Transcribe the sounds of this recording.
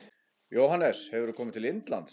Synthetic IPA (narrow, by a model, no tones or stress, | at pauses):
joːwɦanːɛshɛvʏɾʏkʰɔːmɪt̪ʰɪlɪnt̪la̰nt̪